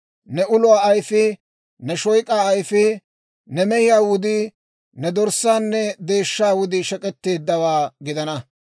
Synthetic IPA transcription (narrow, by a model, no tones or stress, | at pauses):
nɛʊlʊwaːɐjfɪ | nɛʃɔjkʼaːɐjfɪ | nɛmɛjɪjaːwʊd̪ɪ | nɛd̪ɔɾsaːnːɛd̪e̞ːʃːaːwʊd̪ɪʃɛkʼɛt̪ːe̞ːd̪ːɐwaːɡɪd̪ɐnɐ